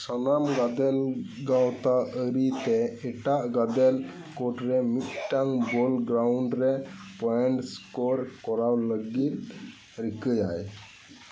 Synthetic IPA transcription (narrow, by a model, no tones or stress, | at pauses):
sanamɡad̪ɛlɡawt̪aəɾit̪ɛɛʈaʔɡad̪ɛl | kɔʈɾɛmit̪̚ʈaŋbɔlɡɾawɳɖɾɛpɔɛɳʈskɔɾkɔɾawləɡit̪̚ | ɾikəd͡ʒaj